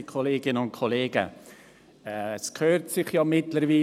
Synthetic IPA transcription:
ikʰoleːɡɪnəʊnkʰɔleːɡə̰ | ɛɛskʰøːtsɪχjɑːmɪtləɾviː

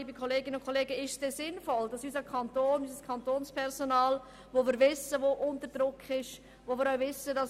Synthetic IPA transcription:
iːbəkʰoleːɡɪnəʊnkʰoleːɡəɪʃsd̥ez̥ɪnfɔld̥ɑsyːsəkʰɑntoːnyːsəskʰɑntoːnspʰɛʁzonaːl | voːviːɾvɪsəʋoːʔʊntəd̥ɾʊkʰɪʃ | ʋoːviːɾaʊvɪsədɑs

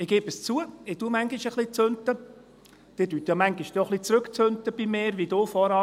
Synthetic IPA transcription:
ɪɡeːb̥əst͡suəɪtumæŋɡiʃəχlit͡søntə | d̥ɪd̥yːt̪jɑmæŋɡiʃd̥eoχlit͡sɾɵkt͡søntəb̥imeːɾʋidoːfɔɾɑ

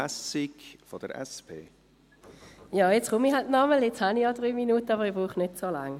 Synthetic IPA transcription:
ɛsikfɔd̥ə̰ɾɛ̰spʰḛː | jɑːjɛt͡sχʊmiɦaltnɑməlɛt͡shanijɑdʁyːminuːtəɑbəʁibʁuːχnetsoːlaŋ

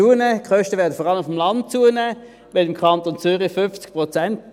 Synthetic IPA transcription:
uːənɛːkχœʃtəʋɛɐdəfɔʁɑləmʊfəmlɑnd̚t͡suːənɛː | ʋɛlɪmkʰɑnt̪ont͡syʁifʏft͡skpʁot͡sɛnt

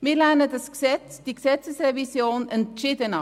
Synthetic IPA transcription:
mɪːɾlænəd̪ɑsɡsɛ | d̥̪iɡsɛt͡səsrɛvisjoːnənt͡ʃɪd̪ənɑ

